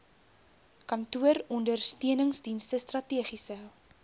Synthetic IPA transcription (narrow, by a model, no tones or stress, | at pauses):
kɐntuəɾɔndərstiənəŋsdinstəstrɐtiəχisə